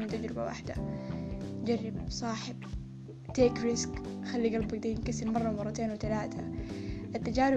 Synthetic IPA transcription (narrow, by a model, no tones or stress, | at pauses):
ɪnt̪ad͡ʒɾɪba̰wa̰ħd̪a̰ | d͡ʒarːɪbsˤɑːħɪb̥̚ | t̪eːkɾɪskxalːiɡɑlbaɡ̚d̪ajɪnkasɪlmɑrˤːɑwmɑrˤːɑt̪eːnwɪt̪alaːt̪ʰaʔat̪ːad͡ʒaːɾɪ